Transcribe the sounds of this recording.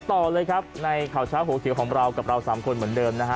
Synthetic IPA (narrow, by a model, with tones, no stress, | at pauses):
t̪ɔː˨˩lɤː˧jkʰa˦˥p̚na˧jkʰaː˨˩wt͡ɕʰaː˦˥wɦoː˩˦kʰi˨˩˦wkʰɔː˩˦ŋɾa˧wka˨˩p̚ɾa˧wsaː˩˦mkʰo˧nmɯ˩˦əndɤː˧mna˦˥kʰ